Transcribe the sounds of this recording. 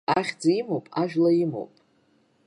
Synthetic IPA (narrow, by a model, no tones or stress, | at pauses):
aχʲd͡zaimowpʼaʒᶣlajimo̰wpʼ